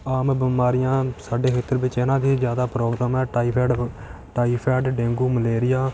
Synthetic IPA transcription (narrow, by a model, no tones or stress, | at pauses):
aːmbəmaːɾɪjãːsaːɖeːkʰeːt̪ːəɾbɪt͡ʃɪnãːd̪iːzjaːd̪aːpɾoːɡɾaːmɛːʈaːiːpʰɛːɖ | ʈaːiːpʰɛːɖɖẽːŋɡuːməleːɾɪjaː